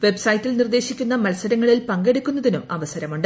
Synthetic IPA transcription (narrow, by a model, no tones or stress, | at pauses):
ʋe̞bsɐjtːilnird̪e̞ːɕikʲːunːɐmɐlɐsɐɾɐŋːɐɭilpɐŋɡe̞ɽukʲːun̪ːɐðinumɐʋɐsɐɾɐmuɳɖɨ